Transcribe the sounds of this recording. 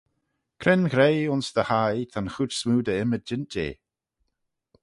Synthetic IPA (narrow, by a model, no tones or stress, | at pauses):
kʰɾɪnɡɾejʊnsd̪əhajt̪ʰanxutsmuːdəɪməd͡ʒɪnt̚dḛː